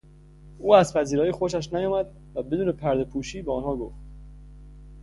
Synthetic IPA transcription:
uːæzpæziːɾɒːjixoʃæʃ̬næjɒːmæd̪̚ | væbe̞d̪uːne̞pʰæɾd̪e̞pʰuːʃiːbeɒnhɒːɡo̰ft̪

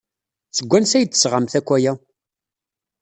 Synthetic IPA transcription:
t͡səɡʷːænsæjət̪ːə̥sʁamθækʷːæjæ

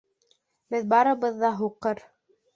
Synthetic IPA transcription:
bɘðbɑɾɤ̆βɤ̆ðːɑɦuqɤɾ

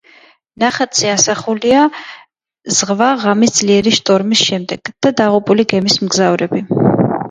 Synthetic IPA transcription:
naχat̪sʰiasaχulia | z̥ʁvaʁamisd̪z̥liɛɾiʃt̪ʼɔɾmisʃɛmd̪ɛɡ̥d̪̥ad̪aʁupʼuliɡɛmismɡzavɾɛbi

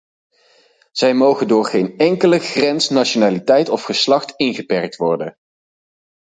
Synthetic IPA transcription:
z̥ɛjmowχəndʊːɹχejnɛŋkələχrɛnsnaʃonaːlitɛjtɔfχəslɑχtɪnχəpɛɹk̚tʋɔɹdə

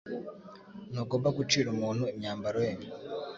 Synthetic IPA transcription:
noːɡoːmbaɡut͡ʃiːɾumuːnhueɲaːmbaɾweːɲe

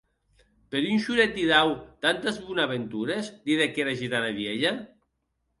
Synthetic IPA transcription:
peɾunʲʃuɾet̪̚d̪iðawt̪ant̪ezβunaβent̪uɾezd̪iðekeɾaʒit̪anaβjeʎa

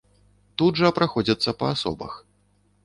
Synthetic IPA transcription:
t̪ud̪ʐɐpɾaxɔd͡zʲɐt̪sːɐpɐasɔ̰bɐ̰x

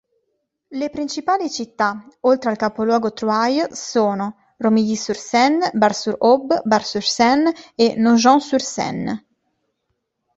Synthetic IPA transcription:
lepɾint͡ʃipaːlit͡ʃit̪ːaolt̪ɾealkapolwɔːɡot̪ɾuajsoːno | romiʎisuɾsɛnːbarsuɾɔbbarsuɾsɛnenoʒɔŋsuɾsɛ̰nː

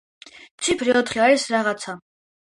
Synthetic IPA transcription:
t̪sʰipʰɾiɔt̪χiaɾisɾaʁat̪sʰa

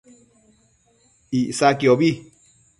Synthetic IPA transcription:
iʔsakiobi

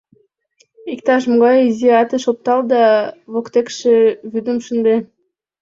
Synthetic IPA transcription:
ikt̪ɑʃmoɡɑjiziɑt̪əʃop̚t̪ɑld̪ɑβokt̪ekʃĕβyd̪ə̆mʃə̆nd̪e

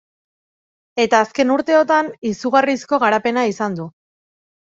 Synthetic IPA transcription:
e̞t̪aːske̞nuɾt̪e̞o̞t̪anisuɣarisko̞ɣaɾape̞naisand̪u

